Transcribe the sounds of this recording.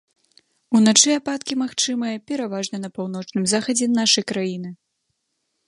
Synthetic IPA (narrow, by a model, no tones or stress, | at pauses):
unat͡ʂɨapat̪kʲimaxt͡ʂɨmɨjɐpʲɛɾavaʐnɐnɐpawnɔt͡ʂnɨmzaxɐd͡zʲɛnaʂɐjkɾajinɨ